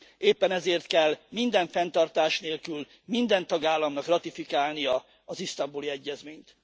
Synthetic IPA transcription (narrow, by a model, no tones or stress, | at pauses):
eːpːɛnɛzeːrt̪kɛlːmind̪ɛɱfɛnt̪ɒrt̪aːʃneːlkyl | mind̪ɛnt̪ɒɡaːlːɒmnɒkrɒt̪ifikaːlnijɒ | ɒzist̪ɒmbuliɛɟːɛzmeːɲt̪